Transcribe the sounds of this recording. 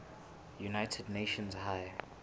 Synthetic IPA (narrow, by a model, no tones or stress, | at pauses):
junaɪtʰədneʃə̃nzɦaɪ